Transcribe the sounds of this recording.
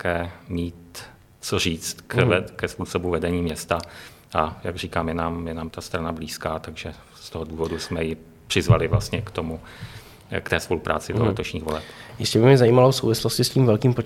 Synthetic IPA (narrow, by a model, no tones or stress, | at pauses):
kɛːmiːt̪ | t͡soriːt͡st̪kɛkɛspuːso̞buvɛdɛɲiːmɲɛst̪a | ʔajaɡriːkaːmjɛnaːmjɛnaːmt̪ast̪ɾanabliːskaːt̪aɡʒɛ | st̪o̞ɦoduːvo̞dusmɛjɪ | pr̝̥ɪzva̰lɪvlast̪ɲɛkt̪o̞mu | kt̪ɛːspo̞lupɾʔa̰ːt͡sɪdolɛt̪o̞ʃɲiːɣvo̞lɛpjɪscɛbɪmɲɛzajiːmalosowvɪsloscɪsciːmvɛlkiːmpo